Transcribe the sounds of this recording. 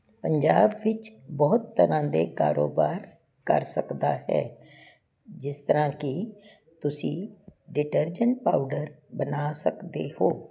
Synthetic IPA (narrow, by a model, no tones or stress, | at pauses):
pəɲd͡ʒaːbʋɪt͡ʃbɔːʊt̪ːəɾãːd̪eːka̰ːɾoːbaːɾ | kə̰ɾsəkd̪aːɦɛ̰ː | d͡ʒɪst̪əɾãːkɪ | t̪ʊsĩːɖɪʈəɾd͡ʒəɳʈ̚pa̰ːʊɖəɾbənaːsəkd̪eːhoː